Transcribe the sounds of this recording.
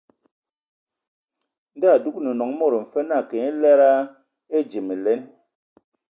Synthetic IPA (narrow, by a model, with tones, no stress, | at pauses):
n˦da˦˨du˦k̚ni˨nɔ˨ŋmo˦ɾm̩˨fe˦na˦˨ke˨e˦lɛ˦ɾa˦ | e˦d͡ʒi˨mi˨le˦n